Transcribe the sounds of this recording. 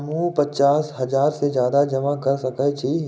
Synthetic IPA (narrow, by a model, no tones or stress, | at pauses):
mũpɐt͡ʃaːsɦɐd͡ʒaːɾsed͡ʒjaːd̪ad͡ʒɐmakɐɾsɐkət͡ʃʰi